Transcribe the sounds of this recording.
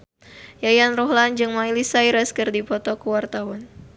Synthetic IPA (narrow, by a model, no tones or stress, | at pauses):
jajanrɔɦland͡ʒɨŋmailisaiɾɛskɨrdipɔt̪ɔkəwart̪awan